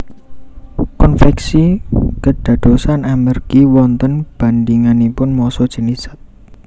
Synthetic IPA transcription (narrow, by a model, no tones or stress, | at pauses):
kɔnfɛksikəɖ̥ä̤d̪̥o̤sanamərɡ̥iwɔnt̪ənb̥a̤nd̪iŋanipʊnmɔsɔd̥ʒ̥ə̤nisə̥t̪̚